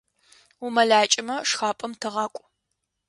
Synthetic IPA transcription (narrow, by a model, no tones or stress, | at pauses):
umɐɮaːt͡ʃʼɪmɐʂxaːpʼɐmtʰɨʁɑːkʷʼʊ